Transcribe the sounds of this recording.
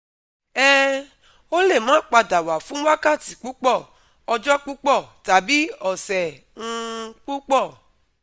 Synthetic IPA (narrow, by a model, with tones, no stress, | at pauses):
ɛ˦ | o˦le˦˨mãː˦˨k͡pa˧da˨wa˨fũ˦wa˦ka˦˨ti˨k͡pu˦k͡pɔ˦˨ | ɔ˧d͡ʒɔ˦k͡pu˦k͡pɔ˦˨ta˨bi˨˦ɔ˨sɛ˨ | ŋ̩̃˦˧k͡pu˦k͡pɔ˦˨